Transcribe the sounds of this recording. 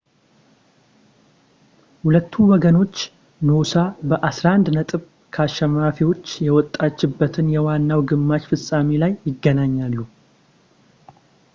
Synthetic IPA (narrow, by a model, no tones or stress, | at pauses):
hulət̪ʰːuwɔɡəno̞t͡ʃː | nosabəʔasɾaand̪nət̪ʼɨβ | kʰaʃɛmafiwo̞t͡ʃːjɛwɔt̪ʼːat͡ʃːɪbːət̪ʰɨnjɛwanːawɡɨmːat͡ʃfɨsʼamilajːɪɡːənaɲːalːu